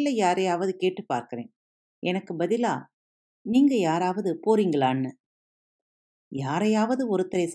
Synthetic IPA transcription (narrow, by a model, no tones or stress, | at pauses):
lːɐjaːɾɐjaːʋɐðɯkeːʈːɯpaːɾkɪɾḛ̃ː | ɛnɐkːɯbɐðɪlaː | niːŋɡɐjaːɾaːʋɐðɯpoːɾiːŋɡɐɭaːnːɯ | jaːɾɐjaːʋɐðɯɔɾɯt̪ːɐɾɐjs